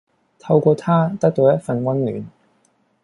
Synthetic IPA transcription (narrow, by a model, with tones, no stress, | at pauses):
t̪ʰɐ˧wkʷɔː˧t̪ʰaː˥t̪ɐ˥k̚t̪o˨˧wjɐ˥t̚fɐ˧nkʷɐ˥nly̰ː˨˥n